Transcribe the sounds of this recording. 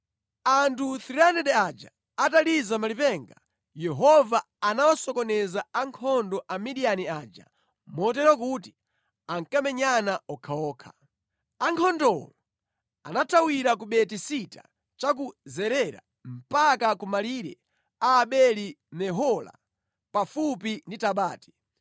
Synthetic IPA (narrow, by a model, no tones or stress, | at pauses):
antʰuθiɾanɛɗɛad͡ʒa̰ː | talizamalipɛŋɡa | jɛɦɔvaːnawasɔkɔnɛzaaŋkʰɔndɔʔamiɗianiaːd͡ʒa̰ | mɔt̬ɛɾɔk̬uti | aŋkamɛɲanaɔkʰaɔːkʰḁ | aŋkʰɔndɔwɔlɔ | a̰natʰawiɾakuɓɛtisita̰ | t͡ʃak̬uzɛɾɛɾa̰ | m̩pakakumaliɾɛ̰ | aːɓɛlimɛɦɔla̰ | pafupinditaɓaːti̥